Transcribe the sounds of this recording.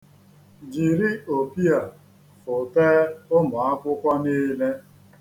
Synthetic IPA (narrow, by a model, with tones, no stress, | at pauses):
d͡ʒi˨ɾi˦o˨pi˦a˨ | fʊ˨teː˦ʊ˦mʊ˨a˦kʷʊ˦kʷa˦niː˦le˦